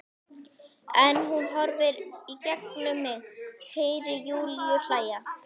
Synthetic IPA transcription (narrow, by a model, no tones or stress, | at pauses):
ɛnɦunɦɔɾvɪɾicɛknʏmɪheːjɾɪjuːlʏɬaːja